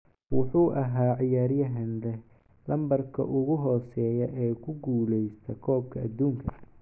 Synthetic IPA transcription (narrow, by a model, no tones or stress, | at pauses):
wʊħuːʔɐɦaːʕɪjaːɾjɐɦɐnlɛ | lɐmbɐrkʰɐ̰ʔʊɣʊɦɔːsɛːjɐʔɛːkʰʊɡuːlɛjst̪ʰɐkʰɔːb̚kʰɐɐd̪uːŋkʰɐ